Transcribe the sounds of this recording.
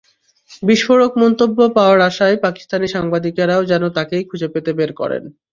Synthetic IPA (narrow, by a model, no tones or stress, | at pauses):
biʃfoɾokmɔnt̪obːopaoaɾaʃaepaki̥st̪aniʃaŋbad̪ikɾaod͡ʑɛnot̪akejkʰud͡ʑepet̪ebeɾkɔ̰ɾḛn